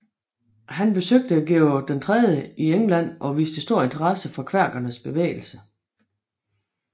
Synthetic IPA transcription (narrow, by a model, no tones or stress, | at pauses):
ɦænb̥e̝søɡ̥̚d̥əæɡ̥eʊd̥ent͡sʰʁɛðˠjəieŋlæn̰ʔɒ̽ʋḭːsd̥əsd̥o̝ɐ̰e̝nt͡sʰɐʁɑ̈səfɒ̽kʰʋæɐ̰ɡ̥ɐnəsb̥e̝ʋḛːɪl̩sə